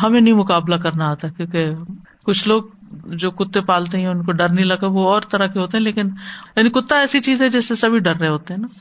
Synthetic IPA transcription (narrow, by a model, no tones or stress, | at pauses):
ɦɐmẽnɐɦĩmʊkaːblak̬ɐɾnaaːt̪aɦɛkjõːke | kʊt͡ʃʰloːɡ̚ | d͡ʒoːkʊt̪ːẽpaːlt̪eɦɛ̃ʊnkoɖɐɾnɐɦĩlɐɡəʋoɔːɾt̪ɐɾəkeɦoːt̪eɦɛ̃leːkɪnjaːnikʊt̪ːaɛːsit͡ʃiːzɛ̃d͡ʒɛːsːesɐbʱiɖɐɾːɐɦẽɦoːt̪eɦɛ̃ːnaː